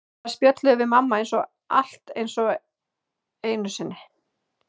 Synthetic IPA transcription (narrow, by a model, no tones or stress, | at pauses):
spjœt̪lʏʏvɪmamːaejnsɔɣ | a̰l̥t̪ḛjnsɔɣ | eːjnʏsɪnːɪ